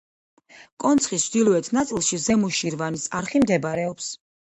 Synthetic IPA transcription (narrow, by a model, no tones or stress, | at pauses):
kʼɔnt̪sʰχist͡ʃʰd̪ilˠɔɛt̪ʰnat̪sʼilˠʃizɛmuʃiɾvanisaɾχimd̪ɛbɾɛɔps